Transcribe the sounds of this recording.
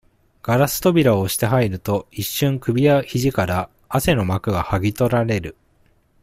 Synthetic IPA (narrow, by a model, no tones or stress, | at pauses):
ɡ̥aɾasɨ̥t̪o̞bʲiɾaoɕi̥t̪e̞ɦaiɾɯ̟t̪o̞iɕːɨ̃ŋkɯ̟bʲijaçiʑikaɾaː | se̞no̞makɯ̟ɡahaɡʲit̪o̞ɾaɾe̞ɾɯ̟